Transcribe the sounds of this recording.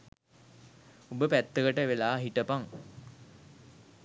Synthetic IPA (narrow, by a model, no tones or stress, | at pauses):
obəpæt̪ːəkəʈəʋelaːɦiʈəpaŋ